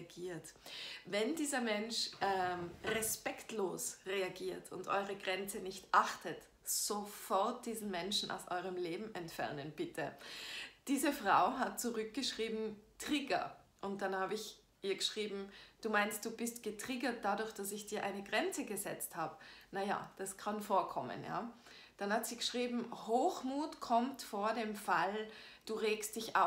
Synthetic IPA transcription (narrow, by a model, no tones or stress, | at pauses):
ɡiːɐtvɛndiːzɐmɛnʃʔɛmʁɛspɛktloːsʁeaɡiːɐtʰʊ̰ntʔɔ̰ʏʁəɡʁɛnt͡sənɪçtʔaχtʰət | z̥ofɔɐt̚d̥iːzn̩mɛnʃn̩ʔa̰ʊsʔɔ̰ʏʁəmleːbm̩ʔɛntfɛ̰ɐnənb̥ɪtʰə | d̥iːzəfʁ̥a̰ʊɦat̚t͡suʁʏk̚ɡ̥əʃʁ̥iːbm̩tʁ̥iɡɐ̰ʔʊnt̚d̥anhaːbəɪç | ʔiːɐɡəʃʁ̥iːbm̩d̥uːmaɪnst̚d̥uːbɪstɡ̥ətʁ̥iɡɐt̚d̥adʊɐçd̥asɪçd̥iːɐʔaɪnəɡʁɛnt͡səɡəzɛ̰t͡sthaːbənaja̰d̥askʰanfoːɐkʰɔmə̰nja̰ː | d̥anhatz̥iːɡəʃʁ̥iːbm̩hoːxmuːtkʰɔmtfoːɐdeːmfald̥uːʁeːkstd̥ɪçʔa̰